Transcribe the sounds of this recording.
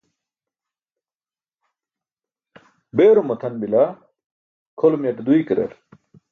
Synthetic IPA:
beːɾumɐt̪ʰɐnbilɐ | kʰolmjɐʈd̪uikɾɐ̰ɾ

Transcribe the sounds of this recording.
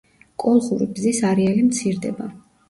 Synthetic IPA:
kʼɔlˠχuɾḭbzisaɾialimt̪sʰiɾd̪ɛ̰ba

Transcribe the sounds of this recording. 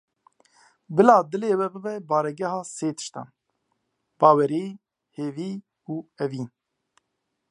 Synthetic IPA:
bɨlɑːd̪ɨleːwɛbɨvɛbɑːɾɛɡɛhɑːseːt̪ʰɨ̥ʃt̪ɑ̰ːn | b̥ɑːwɛɾeː | heːviː | uːɛviːn

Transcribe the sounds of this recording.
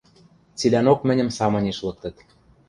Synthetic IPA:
t͡silʲænokmɘ̆nʲə̆msɑmɤ̆nʲeʃlɤ̆k̚t̪ɤ̆t̪

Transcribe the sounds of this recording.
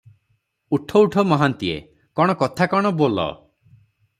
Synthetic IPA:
uʈʰɔuʈʰɔmɔɦant̪iḛ | kɔɽ̃ɔkɔt̪ʰakɔɽ̃ɔbolɔ̰

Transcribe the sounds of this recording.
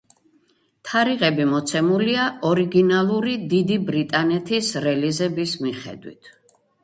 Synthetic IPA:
t̪ʰaɾiʁɛbimɔt̪sʰɛmuliaɔɾiɡinalˠuɾid̪id̪ibɾit̪ʼanɛt̪ʰisɾɛlizɛbismiχɛ̰d̪wḭt̪ʰ

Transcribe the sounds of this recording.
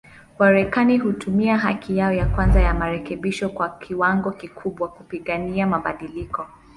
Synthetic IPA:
maɾɛkaniɦutʰumiaɦakijaɔjakwanzajamaɾɛkɛɓiʃɔkwakʰiwaŋɡɔkikʰuɓwakupiɠaniamaɓaɗilikɔ

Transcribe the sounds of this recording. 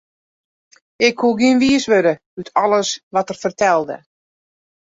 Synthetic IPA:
ɪkhuəɡiənʋiəsʋødə | ytʰɔləsʋɔtərfərtʰɛlˠdə̰

